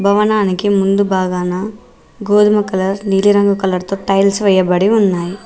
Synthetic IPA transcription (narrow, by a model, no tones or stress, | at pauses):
bʱɐʋɐnaːnikimund̪ubʱaːɡaːnɐ | ɡoːd̪umɐkɐlɐɾniːliɾɐŋɡukɐlɐɾt̪oːʈɐjlsʋɛjɐbɐɽiunːaːji